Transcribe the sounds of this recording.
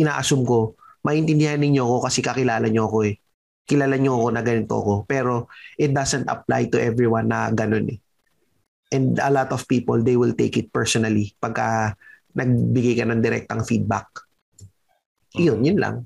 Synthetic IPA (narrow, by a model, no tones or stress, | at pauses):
ʔɪna̰ːʔɐsumko̞ | mɐʔɪnt̪ɪnd̪ɪhanːɪɲɲoɐko̞kɐsɛkɐkɪlaːlɐɲo̞ɐko̞ɛ | kɪlaːlɐɲoɐko̞nɐɡɐnɪnt̪oʔɐ̰ko̞pɛːɾo̞ʔɪt̪̚d̪asɛnt̪ɐ̰p̚la̰jt̪ʊʔɛvɹiwanːɐɡɐno̞nɛ | ʔɛ̃nd̪ɐlat̪ɔvpiːpold̪ejwɪlt̪ḛjkɪt̪̚pɛɹsonɐlipɐɡ̚ka | nɐɡ̚bɪɡajkɐnɐŋd̪ɪɾɛ̰k̚t̪oʔɐŋfid̪̚ba̰k̚ | jonjʊnla̰ŋ